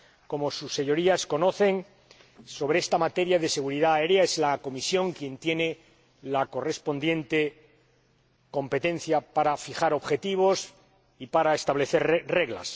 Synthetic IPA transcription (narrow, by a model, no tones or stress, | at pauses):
ko̞mo̞susːe̞ɲo̞ɾiasko̞no̞θe̞ŋ | so̞βɾeest̪amat̪e̞ɾjaðe̞se̞ɣ̞uɾiðaːe̞ɾjae̞zlako̞misjõ̞ŋkje̞nt̪je̞ne̞ | lako̞re̞spo̞nd̪je̞nt̪e̞ | ko̞mpe̞t̪ẽ̞n̟θjapaɾafixaɾo̞βxe̞t̪iβ̞o̞s | ipaɾaest̪aβle̞θe̞ɾre̞ɣla̰s